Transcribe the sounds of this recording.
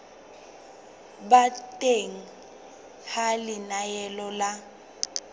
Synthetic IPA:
batʼeŋ̩ | halɪnajɛlɔla

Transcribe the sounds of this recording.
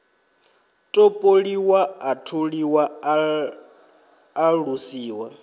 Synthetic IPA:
tʼopʼoɺiwaatʰuɺiwa | ɺusiːwa

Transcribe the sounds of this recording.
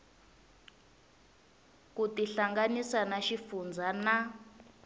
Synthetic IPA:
kutiɬaŋɡanisanaʃifund͡zʱana

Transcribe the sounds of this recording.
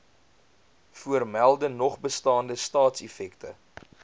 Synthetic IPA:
fuərmælˠdənɔχbəstɑːndəstɑːtsɛfɛktə

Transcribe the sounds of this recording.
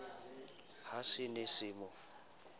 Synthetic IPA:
hasɪnɪsɪːmʊ

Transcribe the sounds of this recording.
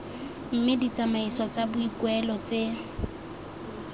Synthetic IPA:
m̩mɪdit͡sʼamaisɔt͡sʼabʊikwɛlɔt͡se

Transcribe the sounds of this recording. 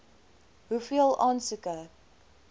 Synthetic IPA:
ɦufiəlˠʔɑːnsəkə

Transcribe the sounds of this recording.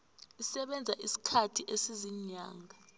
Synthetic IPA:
isɛɓɛnd͡zʱaʔisi̥kʰatʰiʔesiziɲaːŋɡʱa

